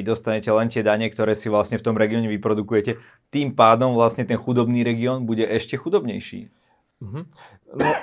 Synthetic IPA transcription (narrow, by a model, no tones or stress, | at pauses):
id̪ɔst̪aɲɛcɛlɛnt̪ɪɛd̪aɲɛkt̪ɔɾɛːsiʋlasɲɛft̪ɔmɾɛɡiɔɲɛʋipɾɔd̪ukujɛcɛ | t̪iːmpaːd̪ɔmʋlasɲɛt̪ɛnxud̪ɔbniːɾɛɡiɔːnbuɟɛʔɛʃcɛxud̪ɔbɲɛjʃḭː | m̩ɦ̩ | nɔ